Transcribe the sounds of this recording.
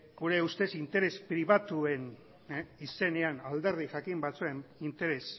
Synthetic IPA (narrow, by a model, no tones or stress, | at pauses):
ɡuɾe̞ust̪e̞sint̪e̞ɾe̞spɾiβ̞at̪ue̞n | ise̞ne̞anald̪e̞ɾðiʝakimbat͡sue̞nint̪e̞ɾe̞s